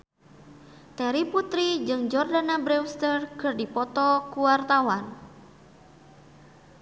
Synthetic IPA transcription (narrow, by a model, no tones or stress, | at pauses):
t̪ɛɾiput̪ɾid͡ʒɨŋd͡ʒɔrdanabɾɛwst̪ərkɨrdipɔt̪ɔkuwart̪awan